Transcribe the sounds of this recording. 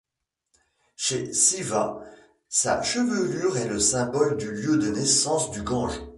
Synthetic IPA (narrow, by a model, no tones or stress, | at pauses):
ʃesiva | sa̰ʃəvəlyʁɛləsɛ̃bɔld̪yljød̪ənɛsɑ̃sd̪yɡɑ̃ʒ